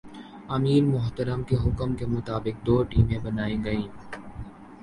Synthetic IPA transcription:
ɐmiːɾmʊɦt̪əɾəmkeɦʊkəmkemʊt̪aːbɪk̚d̪oːʈiːmẽbɐnaːiɡɐĩː

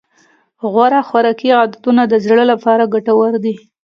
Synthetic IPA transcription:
ɣwaɾaxwaɾɑkiɣad̪at̪unad̪əzɽəlapɑɾaɡaʈawaɾd̪i

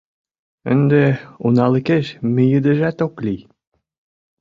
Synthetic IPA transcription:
ə̰nd̪eunɑləkeʃmejəd̪ə̆ʒæt̪oklij

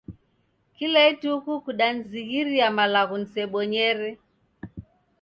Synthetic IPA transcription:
kilɛitukukuɗan̩ziɣiɾiamalaɣun̩sɛɓɔɲɛɾɛ

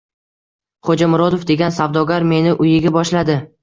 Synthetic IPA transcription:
χod͡ʒamʊɾɒd̪ofd̪e̞ɡʲansavd̪ɒɡʲaɾme̞nɪʔʊjɪɡʲabɒʃlad̪ɪ

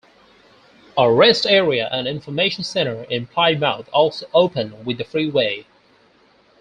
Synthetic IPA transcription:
əɹɛstɛɹiɨʔə̃nɪ̃ɱfə˞meɪʃn̩sɛ̃ɾ̃ə˞ɪ̃npʰaɪd̚maʊθɔlˠsoʊʔoʊpɨ̃nwɨðɨfɹiweɪ

